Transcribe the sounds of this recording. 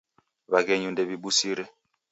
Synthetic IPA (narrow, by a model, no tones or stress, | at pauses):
βakɛɲundɛβiɓusiɾɛ